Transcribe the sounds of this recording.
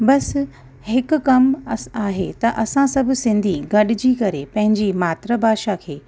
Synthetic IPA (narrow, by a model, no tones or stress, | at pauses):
bɐs | hɪkʊ̆kɐmaːɦet̪ɐʔɐsãsɐbʱʊsɪ̃nd̪ʱiɡɐɗɪd͡ʑiːkɐɾepɐ̃ɦɪ̃ɲd͡ʑimaːt̪ɾəbʱaːʃakʰeː